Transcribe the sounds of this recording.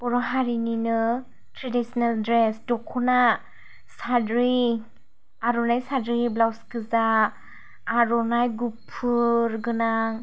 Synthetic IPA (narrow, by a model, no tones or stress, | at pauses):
pɔɾɔɦaɾininɯ | tʰɾedisnaldɾɛsdɔkʰːɔna | sadɾi | aɾɔnajsadɾiblawskɯzaː | ɾɔnajɡupʰːɯɾɡɯna